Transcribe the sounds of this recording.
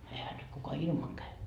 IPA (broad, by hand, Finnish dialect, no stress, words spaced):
ehæ nyt kukɑ ilmɑŋ kæy